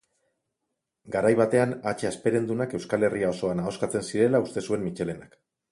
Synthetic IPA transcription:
ɡaɾajβat̪e̞anat͡ʃe̞aspe̞ɾe̞nd̪unake̞wskale̞riao̞so̞anao̞skat͡se̞nsiɾe̞laust̪e̞sue̞mmit͡ʃe̞le̞nak

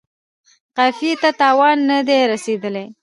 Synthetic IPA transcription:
qafjet̪at̪ɑwɑnːad̪eɾased̪əle

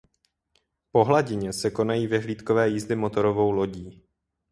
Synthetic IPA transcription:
po̞ɦlaɟɪɲɛsɛko̞najiːvɛɦliːt̪kovɛːjizdɪmo̞t̪o̞ɾo̞vo̞wlo̞ɟiː

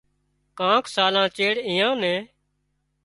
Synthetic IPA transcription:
kãːkʰsaːlãːt͡ʃeːɽĩːjãːnɛ̃ː

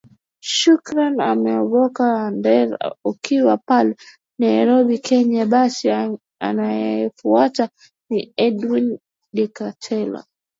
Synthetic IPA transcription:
ʃukɾanamɛɔɓɔkaandɛɾukiwapalɛ | najɾɔɓikʰɛɲaɓasi | a̰najɛfuata | niɛdwin | ɗikatʰɛla̰

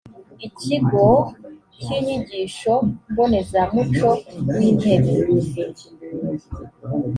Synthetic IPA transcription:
iciɡo | ciɲiɟiʃombonezamut͡ʃowinebiɾuze

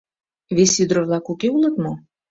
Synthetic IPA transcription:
βesyd̪ɾəβlɑkukeulˠɤ̆t̪mo

